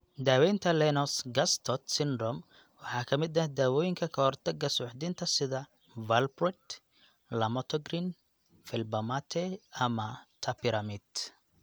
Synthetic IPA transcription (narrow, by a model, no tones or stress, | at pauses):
d̪aːwɛjnt̪ʰɐlɛnɔsɡɐst̪ʰɔt̪sɪnd̪ɾɔm | wɑħɑːkʰɐmɪd̪ɐd̪aːwɔːjɪŋkʰɐkʰɐhɔrt̪ʰɐɡːɐsʊħd̪ɪnt̪ʰɐsɪðɐ | vɐlbrɛt̪ | lɐmɔt̪ʰɔɡɾin | fɪlbɐmat̪ʰɛɐmɐt̪ʰɐpɪɾɐmɪd̪